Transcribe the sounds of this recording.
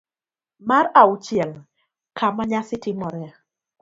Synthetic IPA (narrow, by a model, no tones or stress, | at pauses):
maɾaʊt͡ʃɪɛl | kʰamaɲasɪtɪmɔɾɛ